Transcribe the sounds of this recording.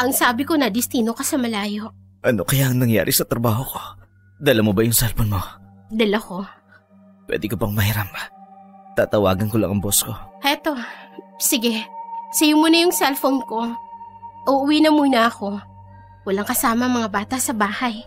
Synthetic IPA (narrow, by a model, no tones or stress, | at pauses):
ʔɐŋsaːbɪko̞nɐd̪ɪst̪iːnokɐsɐmɐlaːjo̞ʔ | ʔɐnokɐjaʔɐŋnɐŋja̰ːɾʔɪsɐt̪ɾɐbaːhoko̞̥ | d̪ɐlɐmobɐjʊŋsɛlfonmo | d̪ɐlɐko̞ | pwɛ̰ːd̪ɪkopɐŋmɐhiɾamat̪aːt̪ɐwa̰ːɡɐnkolɐ̰ŋɐŋbosko̞ʔɛt̪o̞sɪɡɛsɐjʊmunɐjʊŋsɛlfonko̞ | ʔuʔʊwiːnɐmunɐɐko̞ | wɐlaŋkɐsaːmɐŋmɐŋabaːt̪ɐsɐbaːhɐj